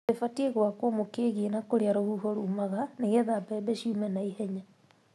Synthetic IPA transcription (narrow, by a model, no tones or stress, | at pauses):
efateɣwakwomokeːɣenakoɾeaɾohuɦoɾuːmaɣaneɣeðabɛbeʃiumɛnaihɛɲa